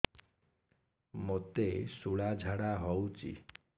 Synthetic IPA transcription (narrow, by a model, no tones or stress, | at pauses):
mot̪esuɭad͡ʒʱaɽaɦɔwt͡ʃʰḭ